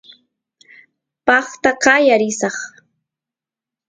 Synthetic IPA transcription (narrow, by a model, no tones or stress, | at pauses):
pɑχt̪aqɑjaɾɪsɑχ